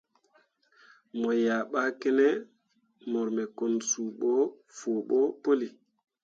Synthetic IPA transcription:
mɔ˨ja˨ɓa˦kɛ˦nɛ˦ | mɔ˨ɾmɛ˨ko˨nsuː˨ɓɔ˦ | foː˨ɓɔ˦po˦li˨

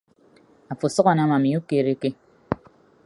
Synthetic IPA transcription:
a˨fo˨sɔ˦ɣɔ˨na˦ma˨mi˨˦u˦ke˨ɾe˦ke˦

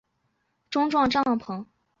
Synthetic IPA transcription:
ʈ͡ʂʊ˥ŋʈ͡ʂwɑ˥˧ŋʈ͡ʂɑ˥˩ŋpʰɤ˧˥ŋ

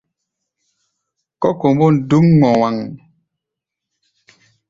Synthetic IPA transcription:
kɔ˦ko˨m˦bɔ˦˨n̩˨du˦ŋŋ͡mɔ˨wa˨ŋ

